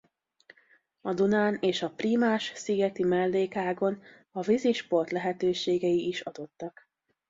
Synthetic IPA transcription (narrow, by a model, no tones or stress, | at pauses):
ɒd̪unaːneːʃɒpriːmaːʃsiɡɛt̪imɛlːeːkɦaːɡo̞n | ɒviziʃpo̞rt̪lɛɦɛt̪øːʃeːɡɛiːʃɒd̪o̞t̪ːɒk